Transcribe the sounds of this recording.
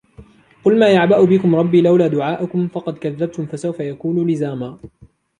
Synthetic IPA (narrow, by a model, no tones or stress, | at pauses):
qʊlmaːjaʕbaʔʊbɪkʊmɾˤɑbːiːlawlaːd̪ʊʕaːʔʊkʊmfɑqɑd̪kaðːab̚t̪ʊmfasawfajakuːnuːlɪzaːmaː